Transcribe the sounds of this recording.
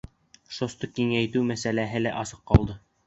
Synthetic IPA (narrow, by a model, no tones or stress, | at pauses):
ʃost̪ɤkiŋæjt̪ɘwmæsælæɦɘlæʔɑsɤqːɑlˠd̪ɤ